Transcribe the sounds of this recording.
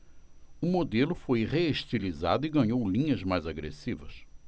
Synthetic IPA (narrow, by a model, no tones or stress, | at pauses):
ʊmod̪elʊfojʁeeʃt̪iliza̰d̪ʊɪɡɐ̃ɲowlĩɲɐzmajzaɡɾḛsivɐ̰s